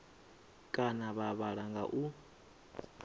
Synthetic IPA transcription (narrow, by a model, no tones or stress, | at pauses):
kʼanaβaβaɺaŋɡa̰ʔu